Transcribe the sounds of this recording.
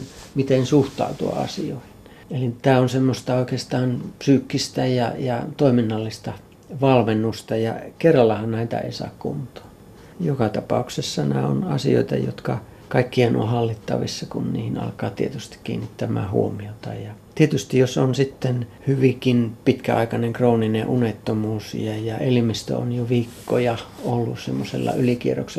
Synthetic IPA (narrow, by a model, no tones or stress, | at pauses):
mit̪ensuht̪ɑ̰ut̪uɑ̰ɑ̰sio̰ihi̥n | elit̪æːonsemːost̪ɑoikeːst̪ɑːnpsyːkːist̪æjɑ̰jɑt̪oiminːɑlːist̪ɑ | ʋɑlmenːust̪ɑjɑkerːɑlːɑhɑnnæit̪æ̰ḛisɑ̰ːkkṵnt̪ˑo̥ː | jokɑt̪ɑpɑ̰uksesːɑnæ̰o̰nɑ̰sio̰it̪ɑ̰jo̰t̪kɑ | kɑikːiɑno̰ːhɑlːit̪ːɑ̰ʋḭsːɑkunniːhinɑ̰lkɑːt̪iet̪yst̪i̥kkḭːnːit̪ːæmæ̰ːhṵomiot̪ɑ̰jɑt̪iet̪yst̪ijosonsit̪ːenhyʋikinpit̪kæɑikɑneŋkroːnineʔunet̪ːomuːsjɑjɑelimist̪ø̰o̰njoʋiːkːo̰jɑolːusemːosḛlːɑ̰ylikiero̰kse